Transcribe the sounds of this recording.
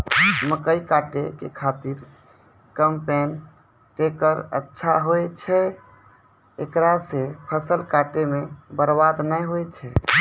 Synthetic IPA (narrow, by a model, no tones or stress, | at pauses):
məkəjkaʈekekʰat̪iɾ | kəmpen | ʈekəɾə̰tːʃʰaɦojt͡ʃʰɛ | ekɾasepʰəsəlkaʈemebəɾbad̪nəjɦojt͡ʃʰɛ